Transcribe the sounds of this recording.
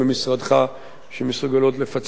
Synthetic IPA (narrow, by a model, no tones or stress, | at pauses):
emisʁad̪χa | ʃemesuɡalo̞t̪lefat͡s